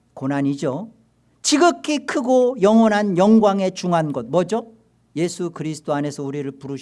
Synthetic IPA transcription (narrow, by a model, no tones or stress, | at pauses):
konɦaɲid͡ʑo | t͡ɕiɡɯkʰːikʰɯɡojʌŋwʌnɦanjʌŋɡwaŋe̞t͡ɕuŋɦanɡʌt̚mʌd͡ʑo | je̞sʰukɯɾisʰɯ̥t͈oane̞sʰʌuɾiɾɯɭpuɾɯɕ